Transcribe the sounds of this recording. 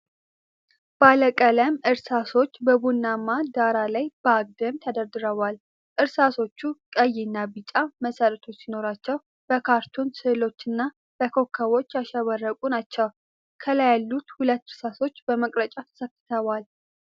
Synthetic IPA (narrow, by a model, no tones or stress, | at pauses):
baləkʼələmʔɨɾsaso̞t͡ʃːbəbunːamːad̪aɾalajb̥əaɡ̚d̪əmt̪ʰəd̪əɾd̪ɨɾəβal | ʔɨɾsaso̞t͡ʃːukʼəjːɪnːabɨt͡ʃʼaməsəɾət̪ʰo̞t͡ʃːsino̞ɾat͡ʃːɛw | b̥əkʰaɾt̪ʰunsɨlo̞t͡ʃːɨnːa | b̥əkʰo̞kʰːəwo̞t͡ʃːaʃaβərːəkʼunat͡ʃːəw | kʰələjalːut̪hulət̪ːɨɾsaso̞t͡ʃːbəməkʼɾət͡ʃʼat̪ʰə̥səkːɨ̥t̪ʰəβal